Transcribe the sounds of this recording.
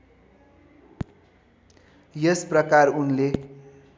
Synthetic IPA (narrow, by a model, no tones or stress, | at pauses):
jesprʌkarunle